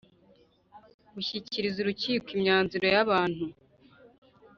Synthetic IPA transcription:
ɡuçiciɾizuɾuciːkwimɲaːnzuɾo̞jaβaːn̥hu

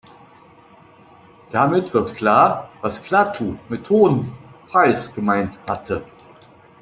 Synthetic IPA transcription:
d̥amɪtv̥ɪɐtkl̥aːɐvaskl̥atʰumɪthoːənpʁ̥aɪsɡ̥əmaɪnthatʰə

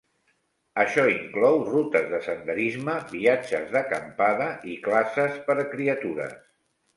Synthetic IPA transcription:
əʃɔiŋklɔwrut̪əzðəsənd̪əɾizməβiad͡ʒə̰zðəkəmpaðəʔiklasəspəɾəkɾiət̪uɾə̰s

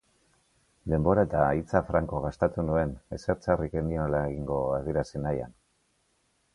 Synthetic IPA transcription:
d̪e̞mbo̞ɾaet̪ait͡safɾaŋko̞ɣ̞ast̪et̪unue̞ne̞seɾt͡sarike̞miolaeɣiŋɡo̞aðie̞ɾasinaja̰n

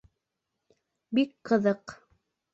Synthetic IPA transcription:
bikqɤ̆ðɤq

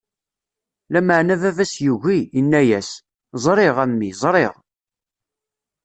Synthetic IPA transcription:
læməʕnævævæsjuʝinːæjæs | zˤɾˤɪʁæmːizˤɾˤeʁ

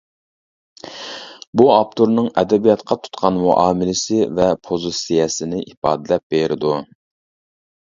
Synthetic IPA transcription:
buɑpt̪ʰuɾnɨŋɛd̪ɛbijɑt̪qʰɑt̪ʰu̥t̪qʰɑnmuʔɑːmɪlɪsɪvɛpʰozusijɛsɪnɪʔipɑ̰ːd̪ɪlɛp̚b̥eɾʔɪd̪u

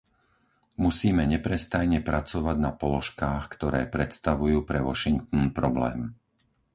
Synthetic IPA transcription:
musiːmɛɲɛpɾɛst̪ajɲɛpɾʔat͡sɔʋaɟnapɔlɔʃkaːxkt̪ɔɾɛːpɾɛt̪st̪aʋujuːpɾɛʋɔʃiŋk̚t̪ɔnpɾɔblɛ̰ːm

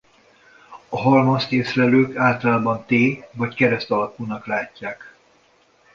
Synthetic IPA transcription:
ɒɦɒlmost̪eːsrɛløːkaːlt̪ɒlaːbɒnt̪eːvɒckɛɾɛst̪ɒlɒkunɒklaːcːaːk

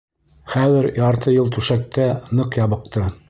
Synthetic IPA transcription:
χæðɘɾjɑɾt̪ʰɤjɤlˠt̪ʉʃæk̚t̪ænɤqjɑβɤ̆qt̪ɤ

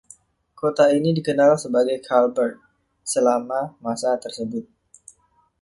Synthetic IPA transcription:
kot̪ainidikənalsəbaɡajkʰalbərt̪̚ | səlamamasat̪ərsəbʊt̪̚

